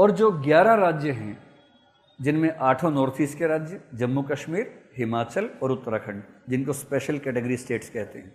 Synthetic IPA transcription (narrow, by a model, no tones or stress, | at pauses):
ɔːɾd͡ʒoːɡjaːɾãɾaːd͡ʒjəɦɛ̃ | d͡ʒɪnmẽʔaːʈʰõnɔːɾt̪ʰiːskeɾaːd͡ʒjəd͡ʒɐmːukɐʃmiːɾɦɪmaːt͡ʃəlɔːɾʊt̪ːəɾakʰəɳd͡ʒɪnkospeːʃəlkɛːʈeɡəɾisʈeːʈskɛɦt̪ḛɦɛ̃ː